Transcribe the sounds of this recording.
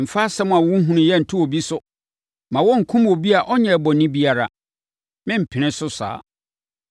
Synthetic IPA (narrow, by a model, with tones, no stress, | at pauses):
m̩˨fa˦sɛ˦m̃˦˨a˨wɔ˦ɦũ˦nʊ̃˨jɛ˦n̩˨tʰʊ̃˦wo˨bi˦sʊ˦ | mã˨wɔ˦ŋ̩˨kʰũ˦m˦o˨bi˦a˨ʔɔ˦ɲɛ̃˨bɔ˨nɪ̃˦bi˦a˦ɾa̰˨ | mɪ̃˦m̩˨pʰɪ̃˨nɪ̃˦sʊ˦sa̰ː˨˦